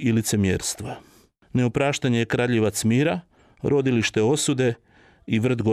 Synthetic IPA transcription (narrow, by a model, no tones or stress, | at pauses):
ilit̪se̞mjḛːɾst̪ʋa | ne̞opɾaːʃt̪aɲejekɾaːʎeʋat̪smiːɾa | ɾo̞d̪iliʃt̪e̞o̞sud̪e̞ | iʋr̩d̪ɡo